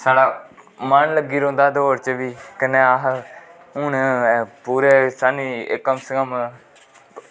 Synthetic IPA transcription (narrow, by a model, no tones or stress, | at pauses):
saːɽaːmənləɡiːɾõːnd̪aːd̪oːɾt͡ʃʋiːkəneːaɦ | ʊːnpuːɾeːsaːnḭːkːəmsəɡəm